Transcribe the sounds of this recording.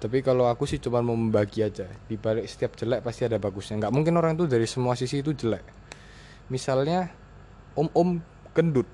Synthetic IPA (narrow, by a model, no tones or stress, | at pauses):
t̪apikaloakusɪht͡ʃumanməməmbaɡiad͡ʒadibalɪksə̥t̪iap̚d͡ʒ̥əlɛʔpast̪iadabaɡusɲaŋɡaʔmuŋkɪnoɾaŋit̪̬udaɾisəmuasisiːt̪̬ud͡ʒəlɛʔ | misalɲa | ʔʊmʔʊm | kəndʊt̪̚